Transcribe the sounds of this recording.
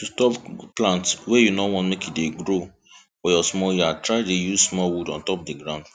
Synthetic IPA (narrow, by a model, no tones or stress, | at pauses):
tustɔpplãntswejunɔwɔ̃ntmekitdeɡɹo | fɔjɔsmɔjuatɹaɪdejuzsmɔwudɔ̃ntɔpdiɡɹãʊ̃nd